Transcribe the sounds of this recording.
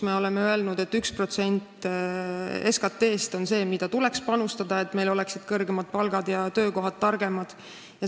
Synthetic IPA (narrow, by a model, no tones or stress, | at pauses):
meo̞lemeøe̞lnud̪̥e̞t̪ːykspro̞t̪se̞nʲt̪ːˑ | e̞skɑt̪ːe̞ːst̪o̞nse̞ːmid̪ɑt̪ule̞kspɑnust̪ɑd̪̥ɑe̞t̪ːme̞jlo̞lɛ̞ksid̪̥kɤrɡ̥emɑt̪̚pɑlɡ̥ɑd̪̥jɑt̪ø̞ːko̞ɦɑd̪̥̚t̪ːɑrɡ̥e̞mɑd̪̥ | jɑ